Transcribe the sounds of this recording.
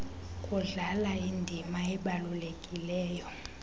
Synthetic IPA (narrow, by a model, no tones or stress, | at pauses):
kʼuɮalaindʱimaɛɓalulekʼilɛːjɔ